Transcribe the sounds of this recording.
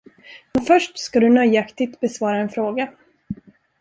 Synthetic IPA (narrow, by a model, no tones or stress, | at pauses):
mɛnfœʂʈskad̪ɵnœjakt̪ɪt̪bɛsvɑːɾaɛnfɾoːɡa